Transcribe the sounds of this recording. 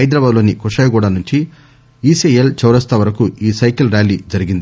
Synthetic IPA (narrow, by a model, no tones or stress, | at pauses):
ɐjd̪ɾɐbaːd̪lo̞ːnikuʂɐjɡuːɽanuɲt͡ʃi | iːseelt͡ʃɐwɾɐst̪ʰɐʋɐɾɐkuiːsɐjkɐlɾjaːlid͡ʒɐɾiɡind̪i